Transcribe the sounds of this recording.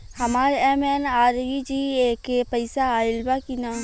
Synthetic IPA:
hɐmaːɾeɛːmɛnaːɾid͡ʒiːekepɐɪsaaːɪlbakinaː

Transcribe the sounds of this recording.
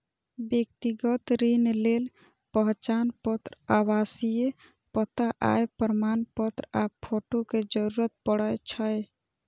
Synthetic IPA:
bjek̚t̪iɡət̪ɾinlel | pəɦt͡ʃanpət̪ɾabasije | pət̪aʔa̰jpəɾmanpət̪ɾapʰoʈoked͡ʒəɾuɾət̪̚pəɽəjt͡ʃʰəj

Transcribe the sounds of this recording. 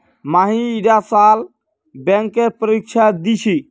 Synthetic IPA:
maːɦĩiɖasaːl | bɛ̃ŋkːepəɾikt͡ʃʰad̪it͡ʃʰi

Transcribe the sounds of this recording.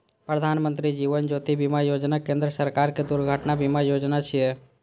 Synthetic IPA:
pɾəd̪ʱaːnmə̃nt̪ɾid͡ʒiːʋənd͡ʒoːt̪ibimajoːd͡ʒnakẽːnd̪ɾəsəɾkaːɾked̪ʊɾɡʱəʈnabʱimajoːd͡ʒnat͡ʃʰije

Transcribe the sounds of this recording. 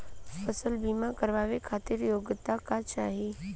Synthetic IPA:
fəsəlbiːmakəɾʋaːʋekʰaːt̪ɪɾjoːɡt̪akat͡ʃaːɦi

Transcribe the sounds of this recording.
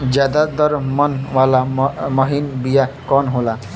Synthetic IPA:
d͡ʒad̪ad̪ɔɾmɔnwalamʌɦinbijakɔnɦola

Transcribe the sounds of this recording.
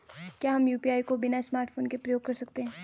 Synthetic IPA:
kjaːɦɐmjuːpiaːikobɪnasmaːɾʈfʰoːnkepɾɐjoːɡ̚kɐɾsɐk̚t̪eɦɛ̃ː

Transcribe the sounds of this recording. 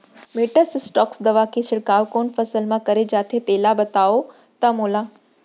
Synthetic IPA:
meːʈəssʈɔːksd̪ɐʋakʰesɪɽkaːʋkoːnfɐsəlmãkɐɾed͡ʑaːt̪ʰet̪eːlabɐt̪aːo | t̪ɐmoːlaː

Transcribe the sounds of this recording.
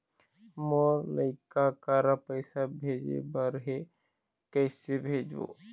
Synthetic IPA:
moːɾləɪkakaːɾapəɪsabʱeːd͡ʒḛbəɾɦe | kɛːsebʱeːd͡ʒo̰ː

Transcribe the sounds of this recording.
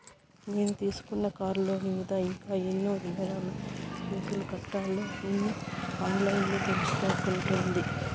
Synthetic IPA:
ne̞ːnut̪iːsu̥kunːɐkaːɾloːmiːd̪ɐiŋkaːenːoːd̪iɡɐɾaːlumuːkulukɐʈːaːloːinːuaːnlɐjinlo̞ːt̪elit͡ʃu̥k̪ɐːɾkuɳʈuːnd̪i

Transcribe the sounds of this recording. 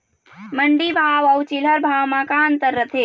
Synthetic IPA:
məɳɖibʱaːʋɐwt͡ʃilɐɾbʱaːwmãkaːnt̪əɾːət̪ʰe

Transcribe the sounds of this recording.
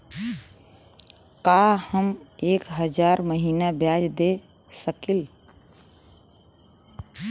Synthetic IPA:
kahəmeːkɦəd͡ʒaːɾməɦiːnabjaːd͡ʒd̪e | səkɪl

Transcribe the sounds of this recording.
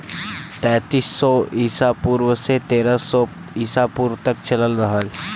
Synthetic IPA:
t̪ɛ̃ːt̪iːsːɔiːsapuːɾwəset̪eːɾəsɔ | iːsapuːɾwt̪ɐkt͡ʃɐləlɾɐɦəl

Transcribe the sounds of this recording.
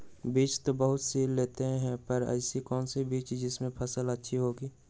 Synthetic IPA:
biːt͡ʃt̪obəɦʊt̪siːlleːt̪eɦɛ̃pɐɾɐ̰ɪsikɔːnsibiːt͡ʃd͡ʒɪsmẽpʰɐsələtːʃʰiɦoːɡiː

